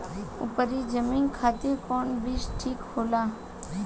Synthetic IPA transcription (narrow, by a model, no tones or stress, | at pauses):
ṵpəɾid͡ʒəmiːnkʰaːt̪ɪɾkoɳbisʈʰiːkhoːlaː